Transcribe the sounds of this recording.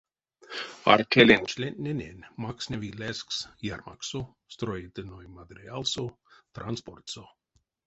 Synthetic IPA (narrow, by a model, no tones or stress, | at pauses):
a̰ɾkʲelʲenʲt͡ʃlʲenʲnʲenʲenʲmaksʲnʲevʲilʲesksjarma̰ksu | st̪ɾojit̪ɨnojmad̪ɾʲialˠsut̪ɾansport̪so